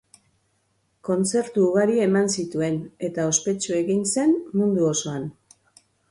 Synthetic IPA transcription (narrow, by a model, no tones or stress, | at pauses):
ko̞nt͡se̞ɾt̪uːɣaɾie̞mansit̪ue̞ne̞t̪ao̞spe̞t͡ʃue̞ɣinse̞nmund̪uo̞so̞an